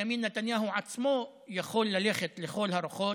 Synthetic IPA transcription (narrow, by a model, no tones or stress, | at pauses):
amiːnːat̪anjaːɦuʕat̪smoːʔ | jaxoːlːalexɪt̪lixoːlhaɾˤʊxoː